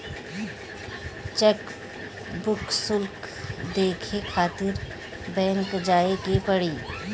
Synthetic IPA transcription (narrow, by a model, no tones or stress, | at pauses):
t͡ʃɛk | bʊksʊlkd̪eːkʰekʰaːt̪ɪɾ | bɛ̃ːŋkd͡ʒaːekepɐɽiː